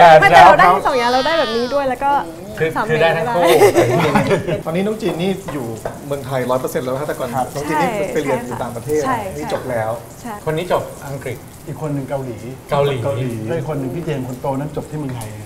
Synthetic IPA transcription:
ɛː˨˩m˥˧a˦˥˧a˦˥sɔ˨˩˦ŋjaː˧˩ɾa˧wdaː˥˩jbɛː˨˩p̚niː˦˥du˥˩əjlɛ˦˥wkɔː˥˩ | t̪ʰɯ˧˩˨tʰɯː˧˩daː˥˩jt̪ʰa˦˥˧ŋkʰuː˧˥˩i˧n˧˥˧t̪ɔː˧niː˦˥nɔː˦˥ŋt͡ɕiː˧nːiː˥˩juː˨˩mɯ˧əŋt̪ʰa˧jɾɔː˦˥jpɤ˧se˧˩nlːʰa˥˩a˧˩kɔː˧nʰ˦˧nɔ˦˥ŋt͡ɕiː˧nːiː˥˩˧pa˧jli˧˩ənjuː˨˩t̪aː˨˩ŋpɾa˧t̪ʰeː˥˩t̪nːiː˦˥t͡ɕo˨˩p̚lɛː˦˥wʰ | kʰo˧nːiː˦˥t͡ɕo˨˩p̚ʔa˧ŋkɾi˨˩k̪̚ | ʔiː˨˩kʰːo˧nːɯ˨ŋka˧wliː˩˦ka˧wliː˩˦ka˧wliː˩˦ɔ˥˩i˨˩kʰo˧nːɯ˨˩ŋt̪ʰiː˥˩t͡ɕeː˧mkʰo˧nt̪oː˧na˦˥˩nt͡ɕo˨˩p̪̚ʰiː˥˩mɯ˧əŋt̪ʰa˩˦

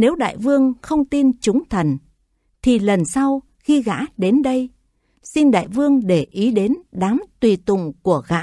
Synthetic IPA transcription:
ne˨˦wɗa̰ː˧˨jvɨ˧əŋxə˧wŋ͡mt̪i˧nt͡ɕʊ˨˦ŋ͡mt̪ʰə˨˩n | t̪ʰi˨˩lə˨˩nsa˧w | xi˧ɣa̰ː˧˥ɗe˨˦nɗə˧j | si˧nɗa̰ː˧˨jvɨ˧əŋɗe˧˩ʔi˨˦ɗe˨˦nɗaː˨˦mt̪wi˨˩t̪ʊ̰˧˨ŋ͡mku˧˩əɣa̰ː˧˥

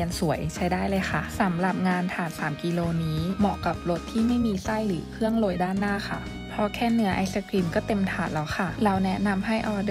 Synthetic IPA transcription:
ənsu˨˩˦ɐjʔe˧ŋt͡ɕʰa˧˥jdaː˥˩jlɤː˧jxa˧˥˩sa˨˦mla˨˩p̚ŋaː˧nt̪ʰaː˨˩nsaː˩˦mki˧loː˧niː˦˥mɔ˧˩ka˨˩p̚lo˦˥t̪ʰːiː˥˩ma˥˩˨jmiː˧sa˥˩jlɯː˩˦kʰɯ˥˩əŋlo˧jdaː˥˩nːaː˥˩˨kʰa˧˩ | pʰɔ˧kʰɛː˧˥˩nɯ˨˦ɐʔa˧˦sa˧kʰli˧mkɔː˥˩t̪e˧mt̪ʰaː˨˩t̪lɔ˨˦wxʰa˧˥˩la˧wnɛ˦˥na˧mɦa˥˩jʔɔː˧˩d

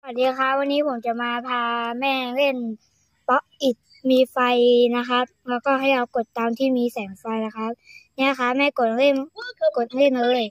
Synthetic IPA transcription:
awt̪̚diː˧kʰa˦˥wa˧nːiː˦˥pʰo˩˦mt͡ɕa˨˩maː˧pʰaː˧mɛː˥˩le˥˩n | pɔ˦˥ʔʔi˨˩t̪̚ | miː˧fa˧jna˦˥kʰa˦˥p̚lɛ˦˥wkɔː˥˩ɦa˥˩jʔa˧wko˨˩t̪ːaː˧mt̪ʰiː˥˩miː˧sɛː˩˦ŋfa˧jna˦˥kʰa˦˥p̚ni˥˩˨kʰa˦˥mɛː˥˩ko˨˩t̪̚ŋle˥˩nko˨˩t̪̚ʔa˧le˥˩nlɤː˧˩j

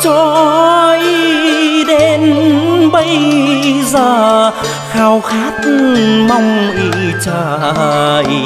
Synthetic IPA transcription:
t͡ɕɔ˧˩ʔi˧ɗe˨˧˦nɓə˧j | zəː˨˩ | xaː˧wxaː˨˦˥t̪̚ma˧wŋ͡mʔi˧˩t͡ɕəː˧˩ | j

